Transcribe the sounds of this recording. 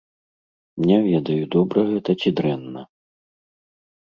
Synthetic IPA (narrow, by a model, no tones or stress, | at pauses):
mnʲɛvʲɛd̪ɐjud̪ɔbɾɐɣɛt̪ɐt͡sʲid̪ɾɛnːɐ